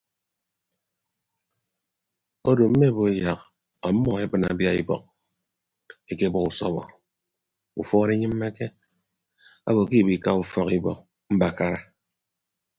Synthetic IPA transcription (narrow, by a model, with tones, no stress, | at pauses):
o˦do˨m̩˦me˦˨bo˨e˦ja˨k | ɔ˨˦mːɔ˦e˦bɨ˨na̰˨bja˦i˦bɔ̰˨k̚ | e˦ke˦bɔ˦ku˨sɔ̰˦βɔ̰˨ | u˨fɔː˦ɾe˦ɲɨ˦m̩ː˦e˦ke˦ | a̰˦bo˨k̬i˦˨bi˨ka˦u˦fɔ˦ki˦bɔ̰˨k̚ | m̩˦ba˨ka˦ɾa˦